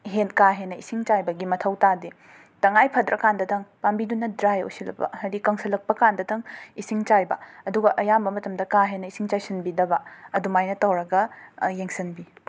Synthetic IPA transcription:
ɦenkaɦenːɐisiŋt͡ʃajbɐɡimɐtʰɐwtadi | tɐŋajpʰɐdɾʔɐ̰kandɐdɐŋpambidunːɐdɾajo̰silɐ̰pɐ̰hɐdikɐŋsɐlɐk̚pɐkandɐdɐŋisiŋt͡ʃajbɐɐduɡɐʔɐjambɐmɐtɐmdɐkaɦenːɐisiŋt͡ʃajsɐnbidɐbɐɐdumajnɐtɐwɾɐɡɐjeŋsɐnbi

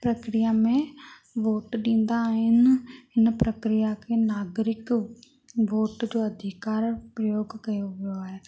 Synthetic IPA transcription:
pɾəkɾɪjaːmẽː | ʋoːʈɗĩːnd̪aːɦɪnɪnpɾəkɾɪjaːkeːnaːɡɾɪk | ʋoːʈd͡ʒoːəd̪ʱɪkaːɾpɾəjoːɡkəjoʋəjoaːɦeː

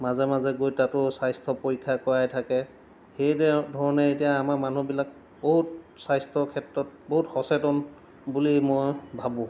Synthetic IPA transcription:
mazɛmazɛɡojtatʊsajstʰɔpoɹikʰːakɔɹajtʰakɛ | xejdʱɔɹɔnɛetijaːmaɹmanubilak̚ | boɦut̚sajstʰɔkʰɛtɹɔt̚boɦutxɔsɛtɔn | bulimojbʱabʊ̃

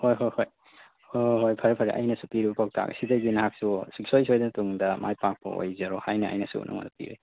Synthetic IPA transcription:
hojɦojhoj | ɔɦojpʰaɾepʰaɾḭʔa̰jnɐsupiɾibɐpak̚tʰa̰ɡ̰sidaɡinaɦak̚susiksojsojdantuŋdamajpak̚pɔ̰o̰jzaɾɔhajnaa̰jnasṵnʔa̰ŋma̰dɐpḭɾḭ

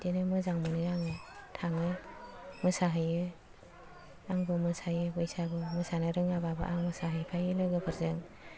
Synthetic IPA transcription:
denɯmɯzaŋmɯnɯjaŋɯtʰaŋɯmɯsaɦɯjɯ | aŋbɯmɯsajɯbɯjsabɯmɯsanɯɾɯŋababɯ̰ʔaŋmɯsaɦɯjpʰajɯlɯɡɯbʰɯɾzɯŋ

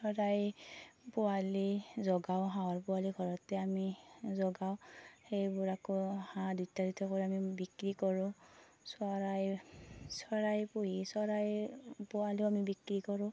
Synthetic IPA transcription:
sɔɹajpʊalizɔɡawɦãɔɹpʊwaliɡʱɔɹɔtɛamizɔɡaʊhejbʊɹakɔhãditːaditʰɔkɔɹiamibikɹikɔɹʊ̃ | saɹajsɔɹajpuɦisɔɹajpʊaliʊamibikɹikɔɹʊ̃

